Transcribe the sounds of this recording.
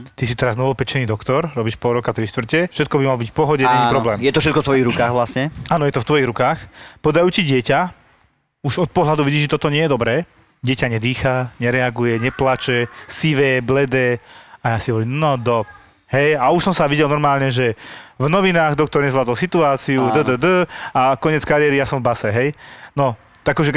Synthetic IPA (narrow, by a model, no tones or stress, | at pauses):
t̪isit̪ɛɾaznɔʋɔpɛt͡ʃɛniːd̪ɔkt̪ɔɾɾɔbiːʃpɔɾɔkat̪ɾiʃt̪ʋr̩cɛfʃɛt̪̚kɔbimalɔbicfpɔɦɔɟɛɛnipɾɔblɛːmjɛt̪ɔfʃɛt̪kɔft̪ʋɔjiɣɾukaːɣʋlasɲɛaːnɔjɛt̪ɔft̪ʋɔjiɦɾukaːxpɔd̪ajuːt͡ɕiɟɪɛca | uʒɔt̪̚pɔɦlad̪uʋiɟiːʒɛt̪ɔt̪ɔɲɪɛjɛd̪ɔbɾɛː | ɟɪɛcaɲɛd̪iːxaɲɛɾɛaɡujɛɲɛplat͡ʃɛsiʋɛːblɛd̪ɛːajaːsiɦɔʋɔɾliːmnɔd̪ɔ | ɦɛjauʃsɔmsaʋiɟɛlnɔɾmaːlɲɛʒɛvnɔʋinaːɣd̪ɔk̚t̪ɔɾɲɛzʋlaːd̪ɔlsit̪uaːt͡siud̪əd̪əd̪əakɔɲɛt͡skaɾɪɛːɾijasɔ̃ɱvbasɛɦɛjnɔt̪aakːɔʒɛ